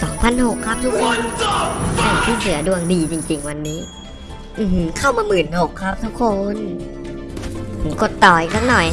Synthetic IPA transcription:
sɔː˩˦ŋpʰa˧˨nho˨˩kʰːa˦˥p̚t̪ʰu˦˥kʰːo˧n | ʔa˧˩jt̪ʰiː˥˩nɯ˨˩˦ɐ˦du˧əŋdiː˧t͡ɕi˧ŋt͡ɕi˧ŋwa˧nːiː˦˥ | ʔɯː˧˩hɯ˧kʰa˥˩wmaː˧mɯː˨˩nho˨˩kʰːa˦˥p̚t̪ʰu˦˥kʰːo˧n˨˩˦ | ko˨˩t̪ːɔː˨˩jkʰaː˦˥˩ŋ̚nɔ˨˩j

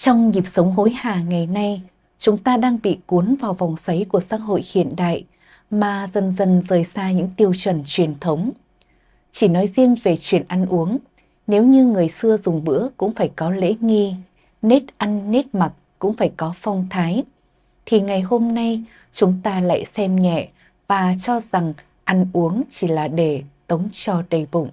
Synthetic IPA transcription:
t͡ɕɔ˧wŋ͡mɲi˨˩p̚sə˨˦wŋ͡mɦo˨˦jhaː˨˩ŋa˨˩jna˧j | t͡ɕʊ˨˦ŋ͡mt̪aː˧ɗaː˧ŋɓḭ˧˨ku˨˦ənvaː˨˩wva˨˩wŋ͡msa˨˦jku˧˩əsa̰ː˧˥k̚ɦo̰˧˨jhḭ˧˨ənɗa̰ː˧˨j | maː˨˩zə˨˩nzə˨˩nzəː˨˩jsaː˧ɲɨ̰˧˥ŋt̪i˧əwt͡ɕwə˨˩nt͡ɕwi˨˩ənt̪ʰə˨˦wŋ͡m | t͡ɕi˧˩nɔ˨˦jzi˧ənve˨˩t͡ɕwi˨˩ənʔa˧nʔu˨˦əŋ | ne˨˦wɲɨ˧ŋɨ˨˩əjsɨ˧əzʊ˨˩ŋ͡mɓɨ̰˧˥əkʊ̰˧˥ŋ͡mfaː˧˩jkɔ˨˦lḛ˧˥ŋi˧ | ne˦˥t̚ʔa˧jŋːe˦˥t̚ma˨˩t̚kʊ̰˧˥ŋ͡mfaː˧˩jkɔ˨˦fa˧wŋ͡mt̪ʰaː˨˦j | t̪ʰi˨˩ŋa˨˩jɦo˧mna˧j | t͡ɕʊ˨˦ŋ͡mt̪aː˧la̰ː˧˨jsɛ˧mɲɛ̰˧˨ | vaː˨˩t͡ɕɔ˧za˨˩ŋ | ʔa˧jŋʔu˨˦əŋt͡ɕi˧˩laː˨˩ɗe˧˩t̪ə˨˦wŋ͡mt͡ɕɔ˧ɗə˨˩jɓʊ̰˧˨ŋ͡m

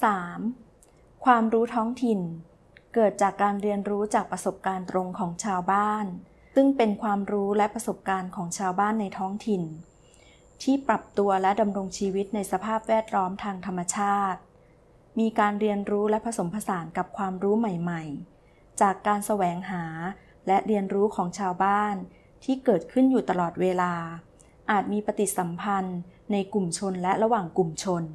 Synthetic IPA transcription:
saː˩˦m | kʰwaː˧mɾuː˦˥t̪ʰɔː˦˥ŋt̪ʰi˨˩n | kɤː˨˩t̪̚t͡ɕaː˨˩kːaː˧nɾi˧ənɾuː˦˥t͡ɕaː˨˩k̚pɾa˧so˨˩p̚kaː˧nt̪ɾo˧ŋkʰɔː˩˦ŋt͡ɕʰaː˧wbaː˥˩n | sɯ˥˩ŋpe˧nkʰwaː˧mɾuː˦˥lɛ˦˥pɾa˧so˨˩p̚kaː˧nkʰɔː˩˦ŋt͡ɕʰaː˧wbaː˥˩nːa˧jt̪ʰɔː˦˥ŋt̪ʰi˨n | t̪ʰiː˥˩pɾa˨˩p̚t̪u˧ɐlɛ˦˥da˧mɾo˧ŋt͡ɕʰiː˧wi˦˥t̪̚na˧jsa˧pʰaː˥˩p̚wɛː˥˩t̪̚lɔː˦˥mt̪ʰaː˧ŋt̪ʰa˧mːa˧t͡ɕʰaː˥˩t̪̚ | miː˧kaː˧nɾi˧ənɾuː˦˥lɛ˦˥pʰa˧so˩˦mpʰa˧saː˩˦nka˨˩p̚kʰwaː˧mɾuː˦˥ma˨˩jma˨˩j | t͡ɕaː˨˩kːaː˧nsa˧wɛː˩˦ŋɦaː˩˦ | lɛ˦˥ʔɾi˧ənɾuː˦˥kʰɔː˩˦ŋt͡ɕʰaː˧wbaː˥˩n | t̪ʰiː˥˩kɤː˨˩t̪̚kʰɯ˥˩njuː˨˩t̪a˧lɔː˨˩t̪̚weː˧laː˧ | ʔaː˨˩t̪̚miː˧pa˧t̪i˨˩t̪̚sa˩˦mpʰa˧nːa˧jku˨˩mt͡ɕʰo˧nlɛ˦˥ɾa˧waː˨˩ŋku˨˩mt͡ɕʰo˧n

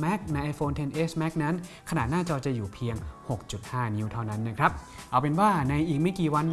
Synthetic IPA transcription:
mɛ˦˥k̚na˧jʔa˧jfoː˧nt̪ʰe˧nʔeː˦˥smɛ˦˥k̚na˦˥nkʰa˧na̰˨˩t̪̚naː˥˩t͡ɕɔː˧t͡ɕa˨˩juː˨˩pʰi˧əŋho˨˩k̚t͡ɕu˨˩t̪̚haː˥˩ni˧wt̪ʰa˥˩wna˦˥nːa˦˥kʰɾa˦˥p̚ʔa˧˩wpe˧nwaː˥˩na˧jʔiː˨˩k̚ma˥˩jkiː˨˩wa˧n

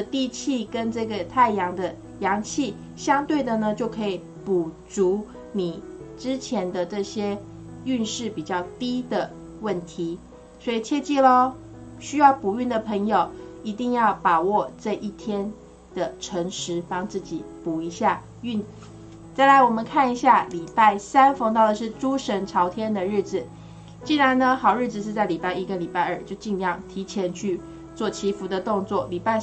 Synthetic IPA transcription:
ə˧t̪i˥˧t͡ɕʰi˥˩kə˦nʈ͡ʂɤ˥˩ɡə˩t̪ʰa˥˩ɪjɑ˧˥ŋd̪ə˧ | jɑ˧˥ŋt͡ɕʰi˥˩ | ɕjɑ˥ŋt̪we˥˩ɪd̪ə˩nə˩t͡ɕjo˥˩ʊkʰɤ˧˥i˨˩ | pu˨˩t͡su˧˥ | ni˨˩ʈ͡ʂɻ̩˥t͡ɕʰjɛ˧˥nd̪ə˧ʈ͡ʂɤ˥˩ɕjɛ˥ | y˥˧nʂɻ̩˥˩pi˨˩t͡ɕjɑ˥˩ʊt̪i˥d̪ə˨ | wə˥˩nt̪ʰi˧˥˦ | swɔ˧˥i˨˩t͡ɕʰjɛ˥˧t͡ɕi˥˧lo˧˩ | ɕy˥jɑ˥˩ʊpu˨˩y˥˩nd̪ə˩pʰə˧˥ŋjo˨˩ʊi˧˥t̪i˥˧ŋjɑ˥˩ʊpɑ˨˩ʊwɔ˥˧ʈ͡ʂɤ˥˧ʔi˥˩t̪ʰjɛ˥n | d̪̥ə˨ʈ͡ʂʰɤ˧˥ŋʂɻ̩˧˥˦pɑ˥ŋt͡sɹ̩˥˩t͡ɕi˨˩pu˨˩i˧˥ɕja˥˩ | y˥˩n | t͡sa˥˩ɪla˧˥ɪwɔ˨˩mə˨˦nkʰa˥˩ni˧˥ɕja˥˩li˨˩pa˥˩ɪsa˥nfŋt̪ɑ˥˩ʊd̪ə˨˩ʂɻ̩˥˩ʈ͡ʂu˥ʂə˧˥nʈ͡ʂʰɑ˧˥ʊt̪ʰjɛ˥nd̪ə˨ɻ̩˥˩d͡zɹ̩˨˩ | t͡ɕi˥˩ɻa˧˦nnə˧xɑ˨˩ʊɻɻ̩˥˩d͡zɹ̩˨˩ʂ̬ɻ̩˥˧t͡sa˥˩ɪli˨˩pa˥˩ɪi˧˥ɡə˨li˨˩pa˥˧ɪə˞˥˩t͡ɕjo˥˧ʊt͡ɕi˥˧nljɑ˥˩ŋt̪ʰi˧˥t͡ɕʰjɛ˧˥nt͡ɕʰy˥˧ | t͡swɔ˥˩t͡ɕʰi˧˥fu˧˥d̪ə˧t̪ʊ˥˧ŋt͡swɔ˥˩li˨˩pa˥˧ɪ

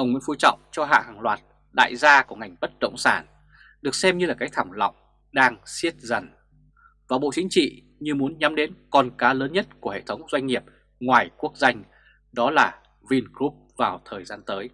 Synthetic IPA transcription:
ʔə˧˨˩wŋwḭ˧˥ənfu˧jt͡ɕɔ̰˧˨wŋ͡mt͡ɕɔ˧ɦa̰ː˧˨ɦaː˨˩ŋlwaː˨˩t̚ | ɗa̰ː˧˨jzaː˧ku˧˩əŋa˨˩jŋ̟ɓə˦˥t̚ɗə̰˧˨wŋ͡msaː˧˩n | ɗɨ˨˩ək̚sɛ˧mɲɨ˧laː˨˩kaː˨˦jt̪ʰa˧˩wŋ͡mlɔ̰˧˨wŋ͡m | ɗaː˧ŋsi˦˥ət̚zə˨˩n | vaː˨˩ɓo̰˧˨t͡ɕï˨˦ŋ̟t͡ɕḭ˧˨ | ɲɨ˧mu˨˦ənɲa˨˦mɗe˨˦nkɔ˧nkaː˨˦ləː˨˦nɲə˦˥t̚ku˧˩əhḛ˧˨t̪ʰə˨˦wŋ͡mzwa˧jŋ̟ːi˨˩əp̚ | ŋwaː˨˩jku˦˥ək̚za˧jŋ̟ | ɗɔ˨˦laː˨˩ | vi˧nkɾu˦˥p̚vaː˨˩wt̪ʰəː˨˩jzaː˧nt̪əː˨˦j

